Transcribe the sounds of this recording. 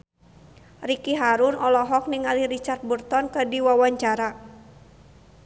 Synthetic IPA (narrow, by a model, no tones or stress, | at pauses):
rikiɦaɾʊnɔlɔɦɔk̚niŋaliɾit͡ʃart̪̚burt̪ɔnkədiwawaɲt͡ʃaɾa